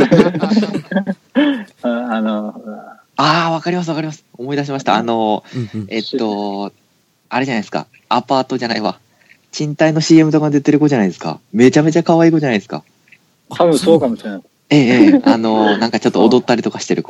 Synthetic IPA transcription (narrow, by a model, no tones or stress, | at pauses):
aano | aːβ̞akaɾʲimasɨβakaɾʲimasɨ̥omo̞id̪aɕ̬imaɕ̬i̥t̪a̰ːno̞ | e̞t̪ːo̞ | aɾeʑanaisɨ̥ka̰ | apaːt̪o̞ʑanaiβa̰ | t͡ɕĩnt̪aino̞ɕiːe̞mɯ̟t̪o̞kand̪ɯt̪ːeɾɯ̟koʑanaid̪e̞sɨ̥ka̰me̞t͡ɕame̞t͡ɕakaβaiːkod͡ʑanaid̪esɨ̥ka̰ | t̪ʰaβɯ̟̃soːkamoɕiɾenas | e̞ːeːano̞nãŋkat͡ɕo̞t̪ːoːd̪o̞t̪ːaɾʲit̪o̞kaɕi̥t̪e̞ɾɯ̟k